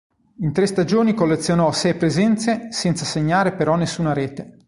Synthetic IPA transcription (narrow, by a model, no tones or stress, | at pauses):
int̪ɾest̪ad͡ʒoːnikolːet̪sːjonɔsɛjpɾezɛnt̪sesɛnt̪saseɲːaːɾepeɾɔnːesːuːnaɾeːt̪e